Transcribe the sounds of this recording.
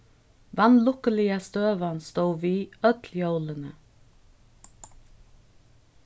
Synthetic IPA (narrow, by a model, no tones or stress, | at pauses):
ʋɑnlʊkəlɪəst̪øːʋənst̪oːʋiːœt̪ʰl̩jœʊlənə